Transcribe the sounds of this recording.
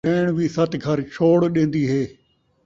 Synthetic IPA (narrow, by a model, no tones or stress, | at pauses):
eːɽ̃ʋisɐt̪ɡʱɐɾt͡ʃʰoːɽɗẽːn̆d̪iɦeː